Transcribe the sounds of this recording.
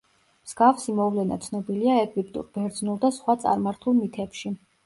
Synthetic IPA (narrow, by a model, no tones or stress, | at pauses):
mz̥ɡafsimɔvlɛna̰t̪sʰnɔbiliaɛɡip̚t̪ʼṵɾb̥ɛɾd̪znulˠd̪asχwat̪sʼa̰ɾmaɾt̪ʰulˠmit̪ʰɛpʃi